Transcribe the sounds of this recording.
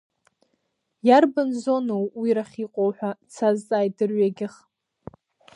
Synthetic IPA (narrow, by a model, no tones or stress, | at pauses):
jarbanzo̞nowwiɾaχʲiqʷʼowħʷᶣat͡sʰazt͡sʼaːjdɨrɥaɡʲɪχ